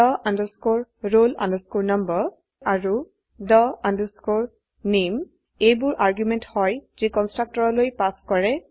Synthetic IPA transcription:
ɔʔandəskoɹːolã̰ndəskuɹnʌmbəɹ | aɹu | dɔandəskoɹ | nem | ejbʊɹʔaɹɡjumɛnthɔjzikɔnstɹak̚tɔɹɔlojpaskɔɹɛ

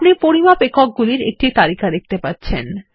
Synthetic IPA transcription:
nepoɾimapekʰok̚ɡuliɾḛk̚ʈit̪aɾikad̪ek̚ʰt̪epatːɕʰen

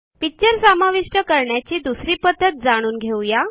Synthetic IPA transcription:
pit͡ɕəɾsamaʋiʂʈəkəɾɳjat͡ɕiːd̪usɾiːpəd̪ʱːət̪̚d͡zaɽ̃uːnɡʱewja

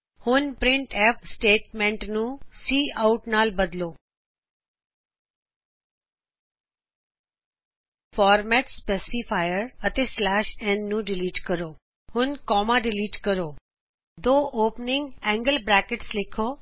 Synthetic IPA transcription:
hʊnpɾɪ̃ɳʈeːfsʈeːʈmẽːɳʈnũsiːaʊʈnaːlbɐd̪loː | fɔːɾmɛːʈspeːsifʰaːjəɾɐt̪eslɛːʃɛ̃ːnːũɖɪliːʈkɐɾoː | hʊnkɔːmaɖɪliːʈkɐɾoː | d̪oːʔoːpnɪ̃ŋɡɛ̃ːŋɡəlbɾɛːkɪʈslɪkʰoː

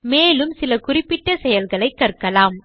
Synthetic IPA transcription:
meːlɯmsɪlɐkʊrɪpːɪʈːɐsɛjɐlɣɐɭɐɪkːɐrkɐlaːm

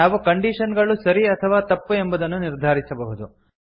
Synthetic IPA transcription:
naːʋukɐɳɖiːʂɐnɡɐɭusɐɾiɐt̪ʰɐʋaːt̪ɐpːue̞mbɐd̪ɐnːuniɾd̪ʱaːɾisɐbɐɦud̪u

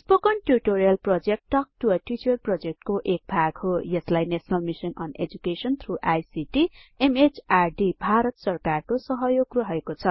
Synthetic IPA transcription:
spokʌɳʈjuriʈoɾijʌlprod͡zek̚ʈːʌk̚ʈuʌʈit͡ʃʌrprʌd͡zek̚ʈkoʔek̚bʱaɡhojʌslajnesʌnalmisʌnʌ̰nḛd͡zukesʌnt̪ʰruʔajsiʈiemet͡sarɖibʱaɾʌt̪sʌrkarkosʌɦʌjoɡruɦʌekot͡sʰʌ

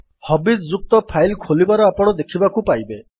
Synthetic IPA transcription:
hɔbid̪d͡ʒuk̚t̪ɔpʰajlkʰolibaɾɔapɔɽ̃ɔd̪ekʰibakupajbe

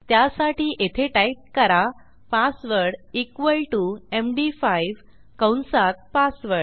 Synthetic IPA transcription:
t̪jasaʈiːʔet̪ʰeʈajp̚kəɾa | pasʋəɾɽikʋəlʈuemɖifajʋ | kəwnsat̪̚pasʋəɽ

